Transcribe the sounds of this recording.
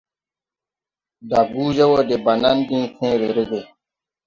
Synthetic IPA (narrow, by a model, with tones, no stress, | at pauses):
da˨ɡuː˦d͡ʒe˦wo˦de˨ba˨na˦ndĩː˦kʰẽ˦ɾe˨ɾe˦ɡe˨